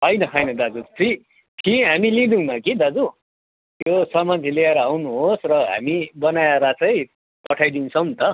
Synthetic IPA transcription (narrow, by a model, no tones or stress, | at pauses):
ɦʌjnʌɦʌjnʌd̪ad͡zut͡sʰi | kʰiɦamilid̪unʌkid̪ad͡zu | josʌmant͡sʰeleeɾʌawnuɦosrʌɦa̰mibʌnaeɾat͡sʌj̃ | pʌʈʰajd̪insʰʌmt̪ʌ